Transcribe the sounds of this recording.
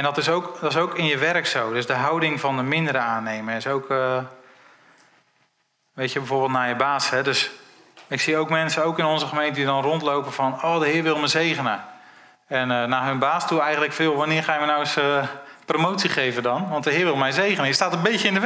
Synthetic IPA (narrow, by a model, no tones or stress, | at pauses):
ɛndɔtɪsowkdɔtɪsowkɪnjəʋɛrəksowdøzdəɦɑwdɪŋvɑndəmɪndəɾəaːnejməɪsowkə | ʋejtəbɛjvoːrbɪːltnaːjəbaːsɦɛdɵs | ɪksiowkmɛnsənowkɪnɔnzəχəmejntədidɔnrɔntlowpəvɔnoːdəɦɪːɹʋɪlˠməzejχənə | ɛnənaːɦɵnbaːstuɛjχəntləkfɪːlˠʋanɪːɹχaːjʋənawɪsəpromowtsiχejvədɔnʋɑntdəɦɪːrʋɪlˠmɛjzejχənəjəstaːtənbejtəɪndə